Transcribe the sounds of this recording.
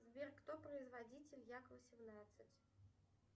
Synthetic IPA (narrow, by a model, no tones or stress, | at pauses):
zbʲerkt̪opɾəɪzvɐdʲitʲɪlʲjakəvəsʲɪmnat̪sɨtʲ